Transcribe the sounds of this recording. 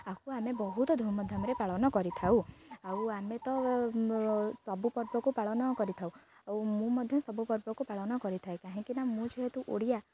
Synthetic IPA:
akuamebɔɦut̪ɔd̪ʱumɔd̪ʱjɔmɾepaɭɔnɔkɔɾit̪ʰawawamet̪ɔ | sɔbupɔɾbɔkupaɭɔnɔkɔɾit̪ʰaw | awmũmɔd̪ʱjɔsɔbupɔɾbɔkupaɭɔnɔkɔɾit̪ʰaekaɦĩkinamũt͡ʃʰɔɦet̪uʔoɽija

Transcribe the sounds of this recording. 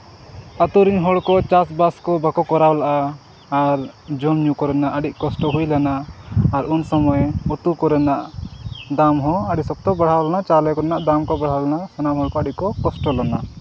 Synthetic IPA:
at̪uɾiɲɦɔɽkɔt͡ʃasbaskɔbakɔkɔɾawlaʔaː | ɾd͡ʒɔmɲukɔɾɛnaʔəɖiʔ̚kɔsʈɔɦujlanaːɾunsɔmɔjut̪ukɔɾɛnaʔd̪amɦɔ̃əɽɖisɔk̚t̪ɔbaɽ̤awlanat͡ʃalɛkɔɾɛnaʔd̪amkɔbaɽ̤awlanasanamɦɔɽkɔəɖiʔ̚kɔkɔsʈɔlana

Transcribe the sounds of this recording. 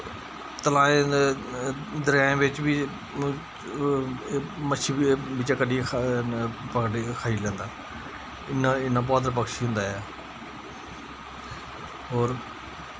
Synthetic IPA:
t̪əlaːẽ | d̪əɾjaːẽːʋɪt͡ʃbiː | məʃʰiːbɪt͡ʃaːkəɖiː | pəkkʰaːiːlɛ̃ːnd̪aː | ɪnaɪnaːbaːd̪əɾp̬əkʃiɦʊ̃nd̪aːɛ | ɦoːɾ

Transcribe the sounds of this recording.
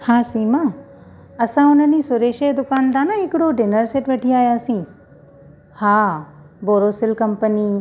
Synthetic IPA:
hãːsiːmã | ɐsãʊnənisʊɾeːʃed̪ʊkaːnd̪anaɪkɽoɖɪnəɾseʈʋeʈʰiaːjaəsĩː | hãː | boːɾosɪlkɐmpəniː

